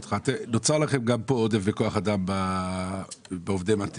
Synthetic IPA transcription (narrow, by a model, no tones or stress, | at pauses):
t̪χat̪enot͡saʁlaχemɡampood̪eveko̞aχad̪amba | beovd̪emat̪e